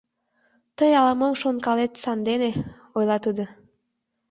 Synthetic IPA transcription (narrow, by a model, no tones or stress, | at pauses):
t̪əjɑləməmʃonkɑlet̪sɑnd̪ene | ojlɑt̪ud̪o